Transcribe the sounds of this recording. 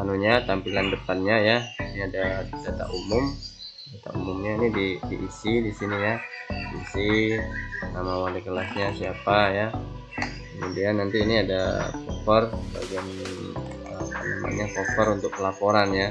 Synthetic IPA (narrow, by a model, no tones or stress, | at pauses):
anuɲat̪ampilandəpanɲajainiadad͡ʒat̪a̰ʔumʊm | d͡ʒat̪a̰umʊmɲainididḭʔisidisinijadiisi | namawalikəlasɲasiapaja | kəmudianːant̪iːniada̰kofərsəba̰ɡian | əpana̰ma̰nɲakofɔɾunt̪ʊk̚pəlapoɾanja